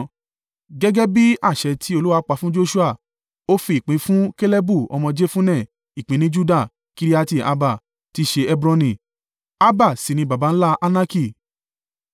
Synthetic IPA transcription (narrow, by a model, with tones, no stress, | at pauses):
ɡɛ˦ɡɛ˦bi˦a˦˨ʃɛ˧tʰi˨˦o˧lu˦wa˧˦k͡pa˧fũ˦d͡ʒo˦ʃu˦a˦˨ | o˦fi˧˨k͡pĩ˨˧˦fũ˦ke˦le˦bu˦˨ɔ̰˧mɔ̃˧d͡ʒe˦fũ˦nɛ̃˦˨ | i˨k͡pĩ˧nĩ˦d͡ʒu˦da˦˨ | ki˧ɾi˦a˧ti˧˨a̰˧ba˦˨ | ti˧ʃe˧ɛ˦bɾɔ̃˧nĩ˨ | a˦ba˦˨si˨nĩ˧ba˨ba˨˦n̩˦la˦ʔa˦na˦ki˦˨